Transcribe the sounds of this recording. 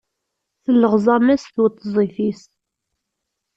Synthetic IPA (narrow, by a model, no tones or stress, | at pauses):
θəlːəʁzˤɑmæsθwət̪ˤːzˤifis